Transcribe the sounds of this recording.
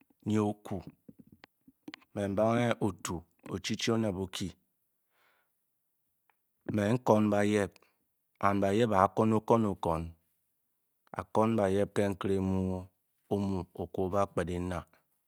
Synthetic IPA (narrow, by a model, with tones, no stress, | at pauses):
ɲe˨o˨ku˨ | me˨m̩˨˦ba˦ŋe˦ʔo˨tu˨ | o̰˨t͡ʃi˦t͡ʃi˦o˦ne˨bo˨kʰi˦˨ | me˨ŋ̩˦kɔ˦n˦ba˨je˦b̚ | a˨n˨ba˨je˦ba˨˦ko˦no˦ko˦no˨kɔ˨n | a̰˨kɔ˦n˦ba˨je˦p̚ke˦ŋ̩˦kɨ˦ɾe˦mu˦ | o˦mu˨o˨ku˨ba˦k͡pe˨di˨˦na˨